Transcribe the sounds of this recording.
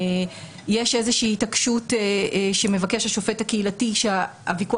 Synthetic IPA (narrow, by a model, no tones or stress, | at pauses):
jeʃe̞zeʃiːtakʃuteʃe̞me̞vake̞ʃaʃo̞fe̞thakeilatiʃe | a̰viku